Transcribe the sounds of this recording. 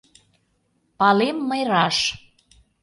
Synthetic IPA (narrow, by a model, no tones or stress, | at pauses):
pɑlemːəjɾɑʃ